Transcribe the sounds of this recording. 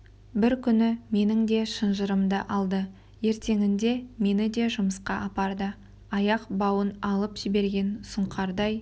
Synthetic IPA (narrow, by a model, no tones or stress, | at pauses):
bɪɾkʲʰʏnɪme̞nɪŋd̪e̞ʃənʒəɾəmd̪əʔɑlˠd̪ə | je̞ɾt̪e̞ŋɪnd̪e̞me̞nɪd̪e̞ʒʊməsqɑʔɑpɑɾd̪ə | ɑjɑqbɑwənɑlˠəpʒ̥ɪbe̞ɾɡʲe̞nsʊɴqɑɾd̪ɑj